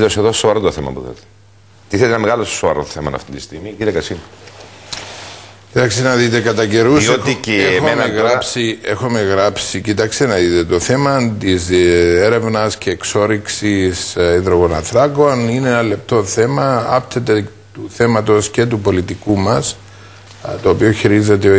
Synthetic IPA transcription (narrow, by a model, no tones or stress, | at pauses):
t̪oseðosoɐɾot̪oθemɐ̰pṵθḛt̪e̥ | t̪iθet̪enɐmeɣɐlosoɐɾoθemɐnɐ̰ft̪int̪ist̪iɣmiciɾiekɐsin | cit̪ɐkst̪enɐðit̪ekɐt̪ɐce̞ɾusiot̪ieexoemneɣɾɐpsie̞xome̞ɣɾɐpsicit̪ɐkst̪enɐðit̪e̞t̪oθe̞mɐt̪izeɾe̞vnɐsce̞ːkso̞ɾiksisiðɾo̞ɣo̞nɐ̰nθɾɐko̞nineenɐle̞p̚t̪o̞θe̞mɐɐpt̪ʰet̪e̞ | t̪uθe̞mɐt̪o̞sce̞t̪upo̞lit̪ikumɐs | t̪o̞ːpioçiɾizet̪eo